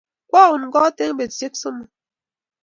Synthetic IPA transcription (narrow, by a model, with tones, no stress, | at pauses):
kwɔ˦˨ɣu˨nŋ̩˨ɡɔ˦te˦ŋ˦be˨se˦k̚so˦mu˨